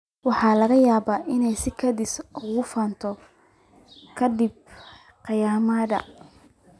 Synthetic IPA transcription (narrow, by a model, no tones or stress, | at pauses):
wɑħɑːlɐɣɐjaːβaːʔɪnɛjsɪkʰɐd̪ɪsʊɣʊfaːnt̪ʰɔ | kʰɐd̪ɪb̚ | qɑjaːmɐd̪ɐ̰